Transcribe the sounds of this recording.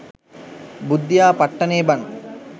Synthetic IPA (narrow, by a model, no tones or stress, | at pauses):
bud̪jaːpɐʈːɐneːbɐn